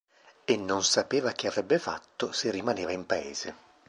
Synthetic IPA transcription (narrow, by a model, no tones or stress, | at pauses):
enːonsapeːvak̟eavɾɛbːefa̰t̪ːoserːimaneːvaimpaḛːz̥e